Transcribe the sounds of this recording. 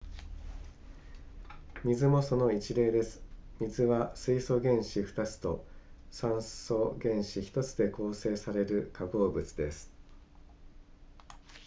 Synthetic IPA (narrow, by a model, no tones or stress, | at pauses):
mʲizɨmo̞so̞no̞it͡ɕiɾe̞ːd̪e̞sɨ̥mʲizɨβasɨiso̞ɡẽ̞ɰ̃ɕiɸɯ̟̥t̪at͡sɨ̥t̪o̞̰sãɰ̃so̞ɡẽ̞ɰ̃ɕiçi̥t̪o̞t͡sɨd̪e̞ko̞ːse̞ːsaɾe̞ɾɯ̟kaɡo̞ːbɯ̟t͡sɨd̪e̞sɨ̥